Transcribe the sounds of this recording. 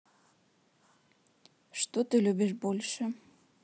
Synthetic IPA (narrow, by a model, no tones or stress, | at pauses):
ʃt̪ot̪ølʲøbeʃbolʲʃĕ